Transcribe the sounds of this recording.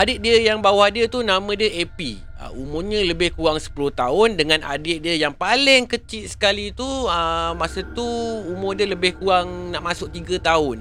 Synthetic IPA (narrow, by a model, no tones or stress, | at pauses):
ʔadɪt̪̚diəjaŋbawahdiət̪unamə̃dəepi | ə̰umʊmɲə̃ləbɪhkuaŋsə̥pulʊht̪aʊndəŋãnʔa̰dɪt̪̚diəjaŋpalɪŋkət͡ʃɪt̪̚sə̥kalit̪uəmasat̪uumʊdələbɪhkuaŋnaʔmasʊk̚t̪iɡat̪aʊn